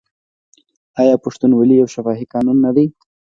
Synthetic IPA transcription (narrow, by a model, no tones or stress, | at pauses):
ɑjɑpʊʂt̪unwalijawʃafɑːɦikɑːnunːad̪i